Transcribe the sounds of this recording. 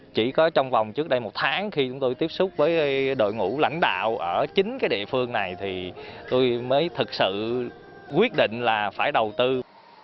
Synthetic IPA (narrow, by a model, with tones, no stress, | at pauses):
t͡ɕi˧˩kɔ˨˦t͡ɕɔ˧wŋ͡mva˨˩wŋ͡mt͡ɕɨ˦˥k̚ɗə˧jmo˨˩t̚t̪ʰaː˨˦ŋxi˧t͡ɕʊ˨˦ŋ͡mt̪o˧jt̪i˦˥əp̚sʊ˦˥k͡p̚vəː˨˦jɗo̰˧˨jŋṵ˧˥la̰˧˥jŋ̟ɗa̰ː˧˨wʔəː˧˩t͡ɕï˨˦ŋ̟kaː˨˦jɗḭ˧əfɨ˧əŋna˨˩jt̪ʰi˨˩t̪o˧jməː˨˦jt̪ʰɨ˨˩k̚sɨ̰˧˨ | kwi˦˥ət̚ɗḭ˧˨ŋ̟laː˨˩faː˧˩jɗə˨˩wt̪ɨ˧